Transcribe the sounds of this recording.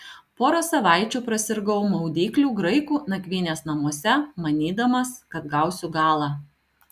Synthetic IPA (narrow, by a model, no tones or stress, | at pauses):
poːɾosɐʋɑˑɪt͡ʃʲuːpɾɐsʲɪɾɡɐʊmɐʊd̪ʲiːklʲuːɡɾɐɪkuːnɐkʲʋʲiːnʲeːsnɐmuɔsʲɛmɐnʲiːd̪ɐmɐskɐt̪ɡɐˑʊsʲʊɡɑːlˠɑː